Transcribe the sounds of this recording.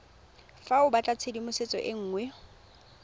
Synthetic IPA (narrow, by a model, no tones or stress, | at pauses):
faʊbat͡ɬʼat͡sʰedimʊset͡sʼɔ̰ʔɪŋ̩ːŋwɛ